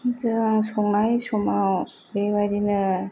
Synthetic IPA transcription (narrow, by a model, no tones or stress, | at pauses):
zɯŋsɔŋnajsɔmaw | beβaɾinɯ